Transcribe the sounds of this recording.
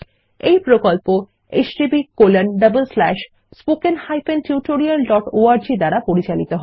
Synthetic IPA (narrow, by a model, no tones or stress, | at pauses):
ejpɾokolpo | esɖibikolenɖəbolslɛʃ | spokenhajpentjuʈoɾialɖɔʈoaɾd͡ʑid̪aɾapoɾit͡ɕalit̪oɦɔ